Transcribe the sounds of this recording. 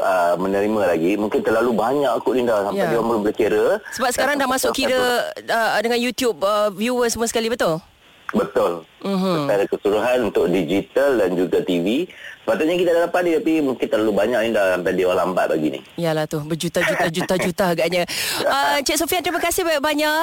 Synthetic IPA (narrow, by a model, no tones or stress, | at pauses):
əmənəɾimãlaɡimũŋkɪnt̪əlalubaɲãʔakʊʔindahsampajdiwaŋmbəlʊmbəlakeɾəsəbap̚sə̥kaɾaŋdahmasʊkkːiɾəədəŋanjut̪jub̚əvjuəsəmuasə̥kalibət̪ʊl | bət̪ʊlm̩ɦəaɾakəsuɾuɦanunt̪ʊk̚did͡ʒit̪aldand͡ʒuɡat̪ivisəpat̪ʊt̪̚ɲak̬it̪adadapat̪̚nĩt̪apimũŋkɪnt̪ərlalubaɲaʔindahsampajdewalamba̰t̪̚baɡinḭjalaht̪ʊbəd͡ʒut̪ad͡ʒut̪ad͡ʒut̪ad͡ʒut̪aaɡaʔɲə̃ət͡ʃɛʔ̚sofiant̪əɾimakasɪhbaaʔbaɲaʔ